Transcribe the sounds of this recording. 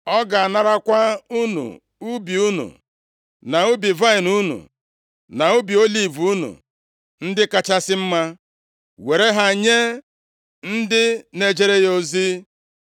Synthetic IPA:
ɔ˦ɡa˨a˨na˦ɾa˦kʷa˦u˦nṵ˨ | u˦bi˨u˦nṵ˨ | na˨u˦bi˨va˦ɪ˨nu˦nṵ˨ | na˨u˦bi˨o˦li˦˨vnṵ˨ | n̩˦dɪ˦ka˦t͡ʃa˦sɪ˦m̩˦ma˦ | we˨ɾe˦ɦa˨ɲe˦ | n̩˦dɪ˦ne˨d͡ʒe˦ɾe˦jo˨zi˦

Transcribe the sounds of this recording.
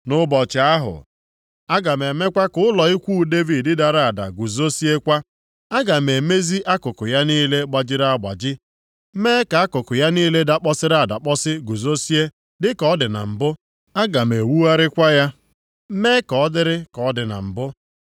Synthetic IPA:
nʊ˦bɔ˨t͡ʃɪ˨a˦ɦʊ̰˨ | a˦ɡa˨me˨me˦kʷa˦kʊ˦ʊ˦lɔ˨i˦kʷu˦˨de˦vi˨ddɪ˦da˨ɾa˦˨a˨da̰˨ɡu˨zo˦si˦e˦kʷa˦ | a˦ɡa˨me˨me˦zi˦ʔa˦kʊ˨kʊ˨ja˦niː˦le˦ɡ͡ba˦d͡ʒɪ˦ɾa˦a˨ɡ͡ba̰˨d͡ʒɪ˦ | meː˦ka˨˦a˦kʊ˨kʊ˨ja˦niː˦le˦da˦k͡pɔ˦sɪ˦ɾa˨da˨k͡pɔ˦sɪ˦ɡu˨zo˦si˦e˦ | dɪ˦kɔ˦dɪ˨na̰˨m̩˨bʊ˦ | a˦ɡa˨me˨wu˦a˦ɾɪ˦kʷa˦ja˦ | meː˦kɔ˨ɔ˦dɪ˦ɾɪ˦kɔ˨˦dɪ˨na̰˨m̩˨bʊ˦

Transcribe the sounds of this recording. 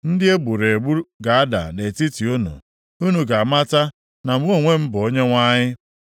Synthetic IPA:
n̩˦dɪ˦e˦ɡ͡bu˨ɾe˨ɡ͡bu˦ɾɡa˨a˦da̰˨ne˨ti˦ti˨u˦nṵ˨ | u˦nu˨ɡa˨ma˦ta˦ | na˨m̩˦o˦˨ŋʷe˦m̩˦bʊ˨o˦ɲe˦ŋʷa˦ɲɪ˦

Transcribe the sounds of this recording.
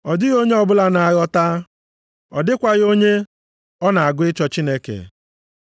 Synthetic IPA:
ɔ˨dɪ˦ɣo˦ɲe˦ɔ˦bʊ˦la˦na˨a˨ɣɔ˦ta˦ | ɔ̰˨dɪ˦kʷa˦ɣo˦ɲe˦ | ɔ˦na˨a˨ɡʊ˦ɪ˦t͡ʃɔ˦t͡ʃi˦ne˦kḛ˨

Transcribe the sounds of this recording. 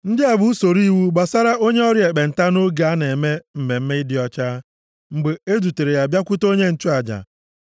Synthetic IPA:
n̩˦dɪ˦a˨bʊ˦so˨ɾi˦wu˦ɡ͡ba˨sa˦ɾa˦o˦ɲe˦ɔ˦ɾi˦e˨k͡pe˨n̩˨ta˦no˦ɡa˨a˦ne˨me˦m̩˨me˨m̩˦me˦ɪ˦dɪ˨˦ɔ˦t͡ʃaː˦ | ŋ͡m̩˨ɡ͡be˨e˦du˨te˨ɾe˨ja˨bja˦kʷʊ˦to˦ɲe˦n̩˨t͡ʃu˦a˨d͡ʒa̰˨

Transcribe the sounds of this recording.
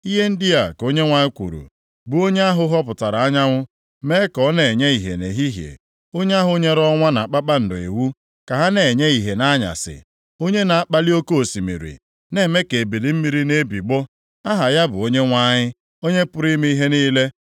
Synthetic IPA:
i˦ɦe˦n̩˦dɪ˦a˨ko˦ɲe˦ŋʷa˨ɲɪ˦kʷṵ˨ɾṵ˨ | bu˨˦o˦ɲe˦a˦ɦʊ˦ɦɔ˦pʊ˨ta˨ɾa˨a˦ɲa˦ŋʷʊ˦ | me˦kɔ˦ne˨ɲe˦i˨ɦḛ˨ne˨ɦi˦ɦjḛ˨ | o˦ɲ˦a˦ɦʊ˦ɲe˦ɾɔ˦ŋʷa˦na˨k͡pa˦k͡pa˦n̩˨dʊ˨ḛ˨wu˦ | ka˨ɦa˦ne˨ɲe˦i˨ɦe˨na˦ɲa̰˨sɪ̰˨ | o˦ɲe˦na˨a˦k͡pa˦li˦o˦ko˦o˨si˨mḭ˨ɾḭ˨ | ne˦˨me˦ke˨bi˨di˨m̩˦mi˦ɾi˦ne˦bi˨ɡ͡bɔ˦ | a˦ɦa˨ja˦bʊ˨o˦ɲe˦ŋʷa˦ɲɪ˦ | o˦ɲe˦pʊ˦ɾi˦me˦i˦ɦe˦niː˦le˦

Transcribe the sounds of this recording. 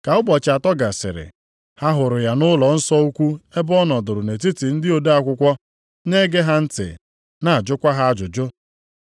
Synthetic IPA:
ka˨ʊ˦bɔ˨t͡ʃa˨tɔ˦ɡa˨sɪ̰˨ɾɪ̰˨ | ha˦ɦʊ˨ɾʊ˨ja˨nʊ˦lɔ˨n̩˦sɔ˦u˦kʷu˦e˦bɔ˦nɔ˨dʊ˨ɾʊ˨ne˨ti˦ti˨n̩˦dɪ˦o˨da˦a˦kʷʊ˦kʷɔ˦ | ne˦ɡe˦ɦa˦n̩˦tɪ̰˨ | na˨a˨d͡ʒʊ˦kʷa˦ɦa˦a˦d͡ʒʊ˨d͡ʒʊ˦

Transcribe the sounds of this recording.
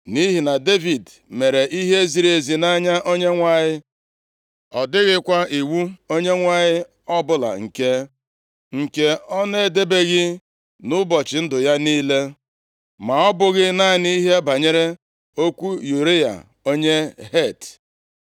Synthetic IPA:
ni˦ɦi˨na˨de˦vi˨d | me˨ɾe˨ʔi˦ɦe˦zi˨ɾe˨zi˨na˦ɲa˦ʔo˦ɲe˦ŋʷa˦˨ɲɪ˦ | ɔ˨dɪ˦ɣɪ˦kʷa˦ʔi˨wu˦o˦ɲe˦ŋʷa˦ɲɪ˦ | ɔ˦bʊ˦la̰˨ŋ̩˨ke˦ | ŋ̩˨ke˦ɔ˦ne˦˨de˦be˦ɣɪ˦ | nʊ˦bɔ˨t͡ʃɪ˨n̩˦dʊ˨ja˦niː˦le˦ | ma˨ɔ˦bʊ˨ɣɪ˦na˦ni˦i˦ɦe˦ba˨ɲe˦ɾe˦ | o˦kʷu˦ju˨ɾe˦ja̰˨ | o˦ɲe˦ɦe˦˨t

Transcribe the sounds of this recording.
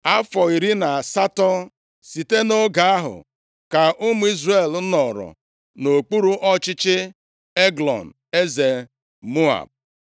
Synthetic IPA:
a˦fɔ˨i˨ɾi˦na˨a˨sa˦tɔ˦ | si˨te˦no˦ɡa˨a˦ɦʊ̰˨ | ka˨ʔʊ˦m˦i˦zre˦˨lnɔ˨ɾɔ̰˨ | no˨k͡pu˦ɾu˦ʔɔ˦t͡ʃɪ˦t͡ʃɪ˦ | e˦ɡlɔ̰˨n̩˨ | e˦ze˨ | mo˦a̰˨b̚

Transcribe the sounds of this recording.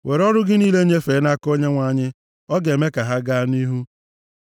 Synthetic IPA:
we˨ɾɔ˦ɾʊ˦ɡɪ˦niː˦le˦ɲe˦feː˨˦na˦ko˦ɲe˦ŋʷa˨ɲɪ˦ | ɔ˦ɡe˨me˦ka˨ɦa˦ɡa˦ni˦ɦu˦

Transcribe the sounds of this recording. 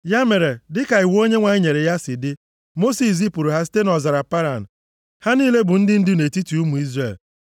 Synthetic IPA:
ja˦me˨ɾe˨dɪ˦ka˨i˨wo˦ɲe˦ŋʷa˨ɲɪ˦ɲe˨ɾe˨ja˦sɪ˨dɪ˦ | mo˦si˨s̬i˦pu˨ɾu˨ɦa˦s̬i̥˦te˦nɔ˨za˨ɾa˨pa˦ɾa˨n̩˨ | ha˦niː˦le˦bʊ˨n̩˦dɪ˦n̩˦dɪ˦ne˨ti˦tu˨u˦mu˨i˦zre˦˨l

